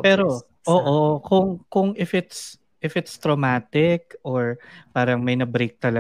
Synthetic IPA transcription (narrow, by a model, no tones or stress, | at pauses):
pɛːɾo | ʔoːʔokʊŋkʊŋɪfʔɪt̪s | ʔɪfɪt̪st̪ɾomaːt̪ɪk̚ʔoɹpaːɾɐŋmɐjnɐbɾejk̚t̪ɐlɐ